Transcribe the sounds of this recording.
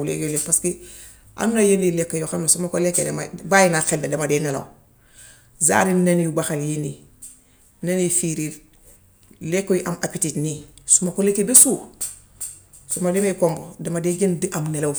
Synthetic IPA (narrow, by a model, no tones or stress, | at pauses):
lḛjolepaski | ʔa̰nunajenilekːojoxamnasumakolekːedḛma̰bajinaxeldedemadeːnelo̰w | za̰ːɾinenjubaxaljini | nenifiɾil | lekːojiʔamapititnisumakolekːebesu | sumademekoŋɡodemadeɟendiʔamnelo